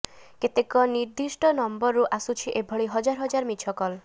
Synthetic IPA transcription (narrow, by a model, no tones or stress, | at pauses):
ket̪ekɔniɾd̪isʈɔnɔmbɔɾːuʔasut͡ʃʰiʔebʱɔɭiɦɔd͡ʒaɾɦɔd͡ʒaɾmit͡ʃʰɔkɔl